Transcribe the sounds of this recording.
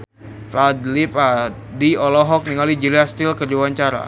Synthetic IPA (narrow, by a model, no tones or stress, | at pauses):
pad̪lipa | diɔlɔɦɔk̚niŋalid͡ʒiliast̪ilkərd͡ʒuwaɲt͡ʃaɾa̰